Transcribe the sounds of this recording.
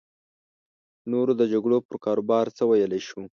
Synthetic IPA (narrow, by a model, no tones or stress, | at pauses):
noɾod̪əd͡ʒaɡɽopəɾkɑɾobɑɾt͡səwajəlejʃu